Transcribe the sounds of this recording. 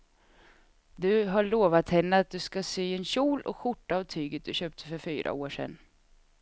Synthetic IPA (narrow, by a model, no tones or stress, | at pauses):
d̪ɵɦaɭoːvat̪hɛnːəat̪̚d̪ɵskasyːɛnɕuːlɔ̰kɧʊʈːaːvt̪ʰyːɡət̪̚d̪ɵɕøːp̚t̪ʰə̥fœɾfyːɾʔa̰oːʂɛ̰nː